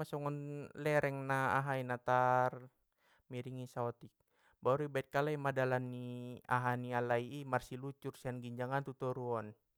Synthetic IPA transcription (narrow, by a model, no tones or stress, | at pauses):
asɔŋɔnlɛɾɛŋnaaɦainat̪ar | miɾiŋisaɔt̪ik̚ | baɾuibait̪̚kalaimadalanːia̰ɦanialaiːmarsilut͡ʃursianɡiɲd͡ʒaŋant̪ut̪ɔɾuɔn